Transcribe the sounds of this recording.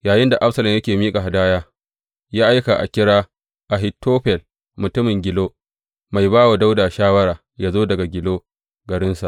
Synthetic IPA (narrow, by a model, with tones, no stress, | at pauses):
jaː˨jɪ˦nda˨ʔa˦ɸsɐ˨lɐ˨mjɐ˦kʲeː˨miː˦kʼa˨ɦa˨daː˦jaː˦ | jaː˦ʔa˦jka˨ʔa̰˨kʲɪ˦ɽaː˦ | ʔa˨ɦɪ˦tʰːoː˦ɸɛ˨l | mʊ˨tʊ˦mɪ˨ŋɡʲɪ˨loː˦ | ma˨jbaː˦wa˨da˦wdaː˨ʃaː˦wɐ˦ɾaː˨ | jaː˦zoː˦dɐ˨ɡa˨ɡʲɪ˨loː˦ | ɡɐ˨ɾɪ˦nsa˨ʔ